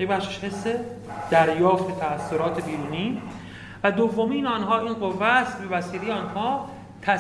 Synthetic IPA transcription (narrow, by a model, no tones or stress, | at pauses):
jebæχʃeʃhe̞sːe | d̪̥æɾjɒːft̪ʰet̪ʰæːsːoɾɒːt̪ʰebiːɾuːniː | væd̪ovːomiːnɒːnɦɒːiːnɢo̞vːæst̪bevæsiːle̞jeɒːnhɒː | t̪ʰæ